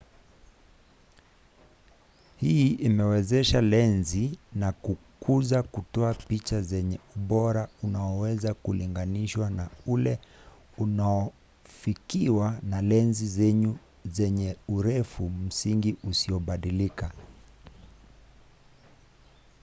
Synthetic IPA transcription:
hiimɛwɛzɛʃalɛnzinakukʰuzakutɔapit͡ʃazɛɲɛuɓɔɾaunaɔwɛzakuliŋɡaniʃwanaulɛ | unaɔ | fikiwanalɛnzizɛɲu | zɛɲɛuɾɛfum̩siŋɡiʔusiɔɓaɗilika

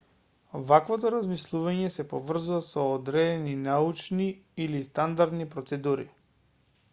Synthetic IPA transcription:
vakvɔt̪ɔɾazmislˠuvaɲɛsɛpovr̩zuvasɔːd̪ɾɛd̪ɛninaut͡ʃniilist̪and̪aɾd̪nipɾɔt̪sɛd̪uɾḭ

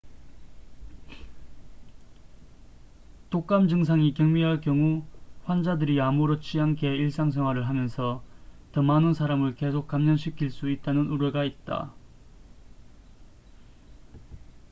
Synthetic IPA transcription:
tok͈amd͡ʑɯŋs̬ʰaŋikjʌŋmiɦaɭkjʌŋuɸwand͡ʑadɯɾiamuɾʌt͡ɕʰiɦank͈e̞iɭs͈aŋsʰeŋɦwaɾɯɭɦamjʌnsʰʌtʌmanɯnsʰaɾamɯɭke̞sʰok̚k͈amɲʌnɕʰikʰiɭs͈uit̚t͈anɯnuɾeɡait̚t͈a̰

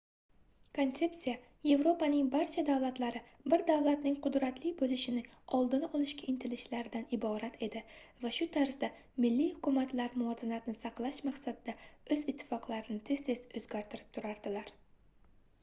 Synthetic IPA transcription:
kʰo̞nt̪se̞psija | je̞vɾopanɪŋbaɾt͡ʃʰad̪avlˠat̪laɾɪ | bɪɾd̪avlˠat̪nɪŋqʰʊd̪ɾat̪lɪbolɪʃɪnɪɒlˠd̪ɪnɒlˠɪʃkʲaɪnt̪ʰɪlɪʃlaɾɪd̪anɪbɒɾat̪ʰe̞d̪ɪvaʃʊt̪ʰaɾsd̪a | mɪlːihʊkʰʊmat̪laɾmʊɒzɪnat̪ɪnɪsɑqlˠaʃmaqsad̪ːaɵzɪt̪ʰːɪ̥fɒqlˠaɾɪnɪt̪ʰe̞z̥t̪ʰe̞sɵzɡʲaɾt̪ʰɪɾɪp̚t̪ʰʊɾaɾd̪ɪlaɾ

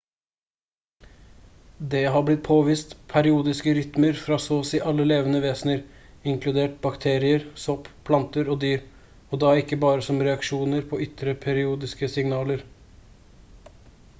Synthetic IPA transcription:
d̪ɛːɦɑblɪt̪̚pʰoːʋiːst̪pʰæɾɪuːd̪ɪskəɾʏt̪məɾfɾɑːsoːsiːʔɑlːəleːʋənəʋeːsnəɾ | ɪŋklʉd̪eːʈ̚bɑkt̪ʰeːɾɪəɾsɔppʰlɑnt̪əɾoːd̪yːɾ | oːd̪ɑːɪkːəbɑːɾəsɔmɾɛɑkʃuːnəɾpʰoːʏt̪ɾəpʰæɾɪuːd̪ɪskəsɪŋnɑːləɾ

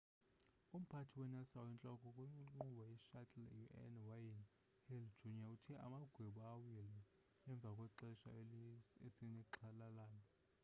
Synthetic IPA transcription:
um̩pʰatʰiwɛnasawɛnt͡ɬʼɔkʼɔkʼwiŋ͡ǃŋ͡ǃuɓajiʃatʼljuʔɛ̰nwajin | hɛlʒ̥unijautʰɛʔa̰maɡ̥ʱweɓuawilɛː | ɱb̪vʱakʼwɛǁɛʃa̰ | esiniǁʰalalaːnɔ

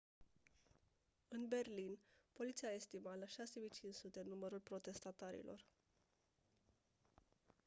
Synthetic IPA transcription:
ɨnbe̞rlinpo̞lit̪siaest̪imalaʃase̞mijt͡ʃint͡ʃsut̪e̞numəɾulpɾo̞t̪e̞st̪at̪aɾḭlʔo̞̰r

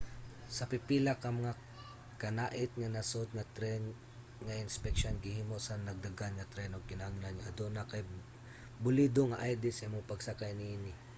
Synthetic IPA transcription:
sɐpɪpilɐkɐŋmɐŋa | kɐnaːʔɪt̪̚ŋɐnɐsod̪̚ŋɐt̪ɾɛn | ŋɐʔɪnspɛk̚ʃonɡɪhiːmosɐnɐɡ̚d̪ɐɡanŋɐt̪ɾɛnoɡ̚kɪnaɡɪnanɲaʔɐd̪onakɐj | bʊlid̪oŋɐʔajd̪ɪsamoŋpɐɡsakajnɪinɪ

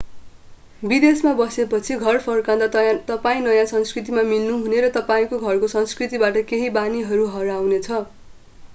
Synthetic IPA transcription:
bid̪esmabʌsepʌt͡sʰiɡʱʌrpʰʌrkãd̪at̪ʌpaĩnʌjãsʌnskrit̪̬imamilnuɦuneɾʌt̪ʌpaĩkoɡʱʌrkosʌnskrit̪ibaʈʌkeɦibaniɦʌɾuɦʌɾawnet͡sʰʌ

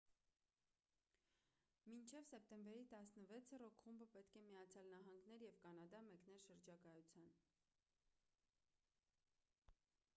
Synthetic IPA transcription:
mint͡ʃʰɛvsɛp̚t̪ɛmbɛɾit̪ɑsnəvɛt͡sʰərɔkʰχumbəpɛt̪kʰɛmiɑt͡sʰjɑlnɑɦɑŋɡnɛɾjɛvkɑnɑd̪ɑmɛknɛlʃəɾd͡ʒɑkɑjut͡sʰjɑn

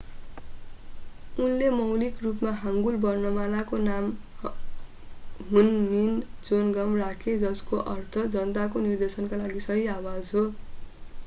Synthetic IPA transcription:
unlemʌwlikrupmaɦaŋɡulbʌrnʌmalakonam | ɦunmind͡zonɡʌmrakʰed͡zʌskoʔʌrt̪ʰʌd͡zʌnt̪akonird̪esʌnkalaɡisʌɦiawad͡zɦo

